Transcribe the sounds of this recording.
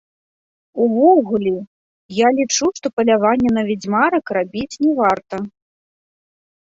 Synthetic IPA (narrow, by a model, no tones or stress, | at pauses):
uvɔɣulʲi | jalʲit͡ʂuʂt̪ɔpɐlʲavanʲːɛnɐvʲid͡zʲmaɾɐkrabʲit͡sʲnʲɛvart̪ɐ